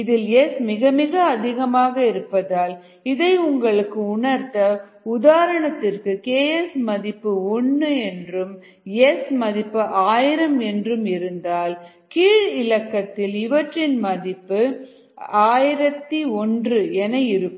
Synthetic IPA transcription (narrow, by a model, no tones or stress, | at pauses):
ɪðɪlɛsmɪɣɐmɪɣɐːðɪɣɐmaːɣɐɪɾɯpːɐðaːl | ɪðɐɪʊŋɡɐɭɯkːɯʊɳɐɾt̪ɐ | ʊðaːɾɐɳɐt̪ːɪrkɯkeːɛsmɐðɪpːɯɔɳːɯɛndrɯm | ɛsmɐðɪpːɯʔaːjɪɾɐmɛndrɯmɪɾɯnd̪aːl | kiːɻɪɻɐkːɐt̪ːɪlɪʋɐʈrɪnmɐðɪpːɯ | aːjɪɾɐt̪ːiɔndrɯɛnɐjɪɾɯ